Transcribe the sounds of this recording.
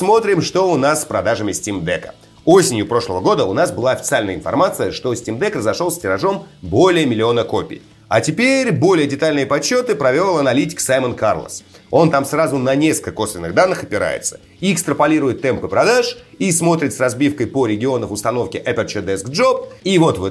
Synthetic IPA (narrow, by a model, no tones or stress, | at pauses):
smo̞t̪ɾʲɪmʂt̪o̞ʊnassːpɾɐd̪aʐəmʲɪsʲtʲimd̪ɛkə̥̰ | osʲɪnʲjʊpɾo̞ʂlˠəvəɡo̞d̪əʊnasbɨlˠaɐfʲɪ̥sɨalʲnəjəɪnfɐ̰rmat̪sɨjəʂt̪o̞sʲtʲimd̪ɛkrəzɐʂo̞lˠsʲtʲɪɾɐʐo̞mbo̞lʲɪjəmʲɪlʲɪo̞nəko̞pʲɪ̰j | a̰tʲɪpʲeɾʲbo̞lʲɪjədʲɪt̪alʲnɨjəpɐɕːo̞t̪ɨpɾɐvʲelˠɐnɐlʲitʲɪ̥ksajmənka̰rlˠə̰s | o̞nt̪amsrazʊnɐnʲeskəlko̞svʲɪnːɨɣd̪anːɨxɐpʲɪɾa̰jɪ̰t̪sə̥ | iːkst̪ɾəpɐlʲiɾʊjɪt̪ːɛmpɨpɾɐd̪aʂismo̞t̪ɾʲɪt̪srɐzbʲifkəjpoɾʲɪɡʲɪo̞nəfʊst̪ɐno̞fkʲɪʔɛpʲɪrt͡ɕɪd̪ɛsko̞p̚ivo̞t̪vɨ